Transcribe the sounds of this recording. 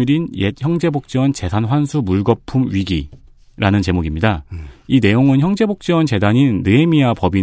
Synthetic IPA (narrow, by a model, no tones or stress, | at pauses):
ɾinjeçjʌŋd͡ʑe̞bok̚t͡ɕ͈ewʌnt͡ɕe̞sʰanɸwansʰumuɭɡʌpʰumɥiɡi | ɾanɯnt͡ɕe̞moɡimɲidaine̞joŋɯnçjʌŋd͡ʑe̞bok̚t͡ɕ͈iwʌnt͡ɕe̞daɲinːɯemiapʌbi